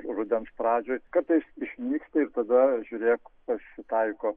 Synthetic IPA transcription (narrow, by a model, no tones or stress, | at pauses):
rʊd̪ʲɛnspɾɑːd͡ʒʲoːjkɐɾt̪ɐɪsɪʃʲmʲiːkst̪ɐɪrt̪ɐd̪ɐʒʲʊɾʲeːkpɐsʲɪt̪ɐɪkoː